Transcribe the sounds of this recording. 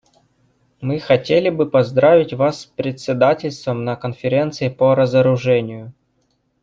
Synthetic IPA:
mɨxɐtʲelʲɪbɨpɐzd̪ɾavʲɪtʲvaspɾʲɪt̪ʲsʲɪd̪atʲɪlʲst̪vəmnəkənfʲɪɾʲe̞nt̪sɨɪpəɾəzəɾʊʐɛnʲɪjʊ

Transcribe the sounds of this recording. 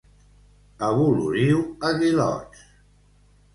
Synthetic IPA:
aβulṵɾiwaɣilɔ̰t͡ʃ

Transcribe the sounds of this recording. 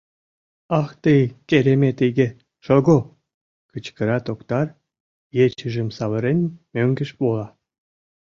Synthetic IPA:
ɑxt̪əjkeɾemet̪eɡʲe | ʃoɣo | kət͡ɕkəɾɑt̪okt̪ɑr | jet͡ɕəʒə̆msɑβəɾenʲmøŋɡə̆ʃpolɑ

